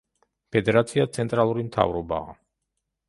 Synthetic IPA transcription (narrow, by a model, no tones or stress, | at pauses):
pʰɛd̪ɛɾat̪sʰiat̪sʰɛnt̪ʼɾalˠuɾimt̪ʰa̰vɾɔba̰ː